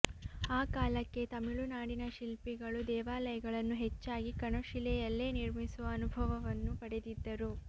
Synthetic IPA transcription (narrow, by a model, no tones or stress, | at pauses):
aːkaːlɐkːe̞t̪ɐmiɭunaːɽinɐʃilpiɡɐɭud̪ɛːʋaːlɐjɐɡɐɭɐnːuɦet͡ʃːaːɡikɐɳoʃilɛjɐlːeːniɾmisuʋɐːnubʱɐʋɐʋɐnːupɐɽed̪id̪ːɐɾu